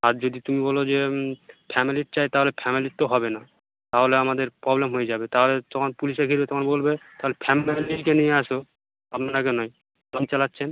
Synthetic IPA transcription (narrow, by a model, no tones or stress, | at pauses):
aɾd͡ʑod̪it̪umibɔlod͡ʑepʰɛmiliʈ̚t͡ɕajt̪aɦolepʰɛmilit̪ːoɦɔbena | t̪aɦoleamad̪eɾpɾɔblemɦojed͡ʑabet̪aɦolet̪ɔkʰonpuliʃekʰiɾbet̪ɔkʰonbolbet̪aɦolepʰɛmilikenijeaʃo | apnanakenɔj | pomt͡ɕalatːɕʰen